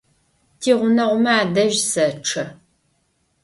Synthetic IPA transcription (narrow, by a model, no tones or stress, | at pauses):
tʰiːʁʷʊnɐʁʷʊmɐaaːdɐʒsɐʈ͡ʂʰɐ